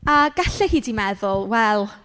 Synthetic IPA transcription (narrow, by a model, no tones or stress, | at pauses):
aɡaɬɛhiːdimɛðʊlˠwɛlˠ